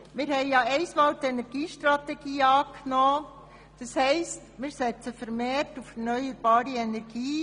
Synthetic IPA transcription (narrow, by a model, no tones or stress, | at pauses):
mɪɾhɛɪjɑɛɪsmɑːltɛnɛɾɡiːʃtɾɑtɛɡ̥iːɑːknoː | d̪̥ɑshɛɪstmɪːɾsɛt͡səfəɾmeːɾtufɛɾnœʏjəɾb̥ɑːɾiɛnɛɾɡ̥iː